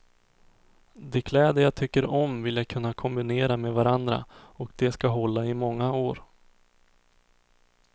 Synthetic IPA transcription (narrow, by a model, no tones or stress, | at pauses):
d̪ɛkʰlɛːd̪əjat̪ʰʏkːəɾɔmvɪljakʰɵnːakʰɔmbɪneːɾamɛvaɾand̪ɾa̰ɔkd̪ɛskaɦɔlːaɪmɔŋːaoːɾ